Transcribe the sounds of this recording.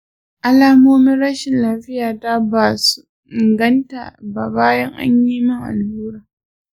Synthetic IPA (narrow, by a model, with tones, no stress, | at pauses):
ʔa˦laː˦moː˦mɪ˦nɽɐ˦ʃɪ˨nlaː˦ɸɪ˦jaː˨ta˦baː˨su̥˦ | ʔɪ˨ŋɡɐ˦nta̰˨ba˨baː˦jɐ˦ŋʔa̰˦ɲjiː˦mɪ˦ŋʔa̰˨lhuː˦ɾaː˨